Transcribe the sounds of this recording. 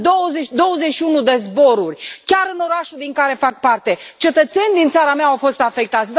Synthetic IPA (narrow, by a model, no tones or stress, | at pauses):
d̪owəzed̪o̞wəze̞t͡ʃʃiunud̪ezbo̞ɾurʲkʲaɾɨno̞ɾaʃud̪iŋkaɾe̞fak̚part̪e̞t͡ʃe̞t̪ət̪se̞nʲd̪int̪saɾameaawfo̞st̪afe̞k̚t̪at̪sʲd̪